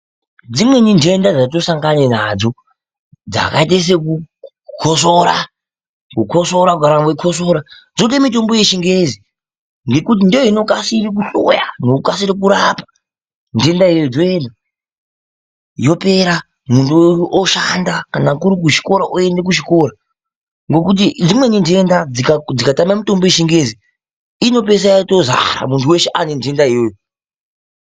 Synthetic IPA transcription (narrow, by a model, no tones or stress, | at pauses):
d͡zimwe̞nindʱe̞ndad͡zato̞saŋɡanenad͡zo̞ | d͡za̰kaiteis̬eku | kʰosoɾa | kukʰo̞so̞ɾaɡaɾamwekʰo̞s̬oɾa | d͡zoɗemito̞mbo̞jet͡ʃiŋɡezi | ŋɡe̞kut̬indejoino̞kasirik̬uɬo̰janoukasiɾikuɾaːpḁ | nde̞ndaiejojod͡zoenda | jo̞pe̞ɾa | muntʰuʔoʃandakanakuɾik̬uʃi̥ko̞ɾaʔoe̞ndek̬uʃiko̞ɾa | ŋɡo̞kut̬id͡zimwe̞ninde̞ndaid͡zikatamamito̞mbo̞jeʃiŋɡezi | ino̞p̬e̞s̬ajatoza̰ɾa̰muntʰuwe̞ʃeʔanendendaejojo